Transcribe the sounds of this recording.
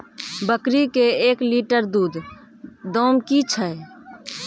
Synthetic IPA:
bəkɾikeekliʈəɾd̪ud̪ | d̪ɔmkit͡ʃʰəe

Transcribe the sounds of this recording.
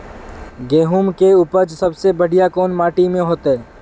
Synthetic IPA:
ɡeːɦumkeʊpəɾd͡ʒsɐbsebəɽ̤ijakɔːnmaːʈimẽɦoːt̪eɦɛː

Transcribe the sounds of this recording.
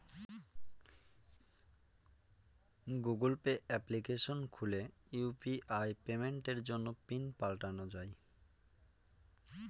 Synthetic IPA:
ɡuɡulpeɛplikeʃonkʰuleupiʔajpemeɳʈeɾd͡ʑonːopinpalʈanod͡ʑaj

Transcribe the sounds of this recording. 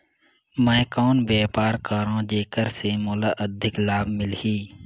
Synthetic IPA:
mɛ̃ːkɔːnbeːpaːɾkəɾãːd͡ʒeːkəɾsemoːlaːʔəd̪ʱɪklaːbmɪlhiː

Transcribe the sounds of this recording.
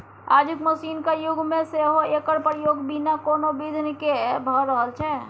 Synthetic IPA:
a̰d͡ʒukməsiːnkejuɡʱmẽseɦoekəɾpəɾjoɡbinakonobid̪ʱnkebʱəɾəɦəlt͡ʃʰɛ

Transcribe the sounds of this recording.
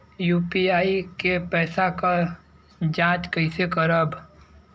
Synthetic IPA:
juːpiaːikepɛːsaka | d͡ʒãːt͡ʃkəɪsekəɾəb

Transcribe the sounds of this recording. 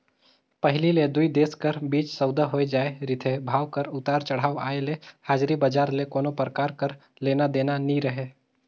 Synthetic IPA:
pəɦliled̪ʊid̪eːskəɾbiːt͡ʃsəʊd̪aɦoed͡ʒaːeɾɪt̪ʰebʱaːwkəɾʊt̪aːɾt͡ʃɐɽ̤aːʋa̰ːelehaːd͡ʒɾibəd͡ʒaːɾlekoːnopəɾəkaːɾkəɾ | leːnad̪eːnaniɾəɦeː

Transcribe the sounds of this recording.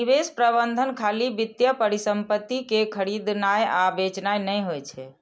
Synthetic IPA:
ibespɾəbənd̪ʱənkʰalibit̪jəpəɾisəmpət̪ːikekʰəɾid̪najabet͡ʃnajnəjɦojt͡ʃʰɛ

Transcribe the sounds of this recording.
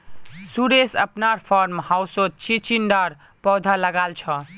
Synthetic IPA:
suɾesə̰pnaɾpʰɔɾmhawsot̪̚t͡ʃit͡ʃinɖaɾ | pɔwd̪ʱaləɡalt͡ʃʰʌ

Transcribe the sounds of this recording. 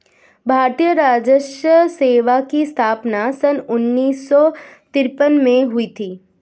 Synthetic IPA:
bʱaːɾt̪ijəɾaːd͡ʒəʃjəseːʋakist̪ʰaːpnasɐnʊnːiːsːɔt̪ɪɾpənmẽɦʊit̪ʰiː

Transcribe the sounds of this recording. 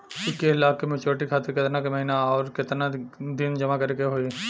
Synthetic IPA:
ʊskeɪlaːkːemet͡ʃoːɾʈikʰaːt̪ɪɾkɪt̪nakemɐɦiːnaɔːɾkɪt̪nad̪ɪnd͡ʒɐmakɐɾekeɦoi

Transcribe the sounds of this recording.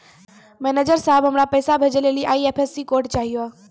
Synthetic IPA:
mɛːned͡ʒəɾsaɦəbʱɦəmɾapəjsabʱed͡ʒəleliʔaːiepʰesikoɾʈt͡ʃaːɦijoa

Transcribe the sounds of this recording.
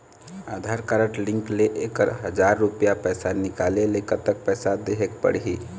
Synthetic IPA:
ad̪ʱaɾkaɾəʈlĩŋkleʔekəɾɦəd͡ʒaɾːupijapɛjsanikalelekət̪ːək̚pɛjsad̪eɦek̚pə̰ɽɦi

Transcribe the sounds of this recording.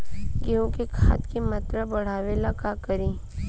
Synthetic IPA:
ɡeɦõkekʰa̰ːt̪kimat̪ɾəbɐɽ̤aːʋeːlakakɐɾiː

